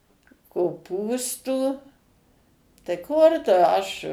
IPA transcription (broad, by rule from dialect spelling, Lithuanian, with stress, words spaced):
koːˈpuːstuː tɐɪ ˈkʊr tʊ ˈɐʃ